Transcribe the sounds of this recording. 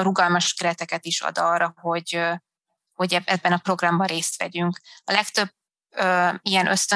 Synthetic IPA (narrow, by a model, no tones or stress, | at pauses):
ɾuɡɒlmɒʃkɛɾɛt̪ɛkɛt̪iʃɒ̰d̪ɒːrːɒɦo̞ɟ | ho̞ɟɛbɛbːɛnɒpro̞ɡrɒmbɒreːst̪ʋɛ̰ɟyŋkɒlɛkt̪ø̞bː | øːijɛnʔø̞st̪ø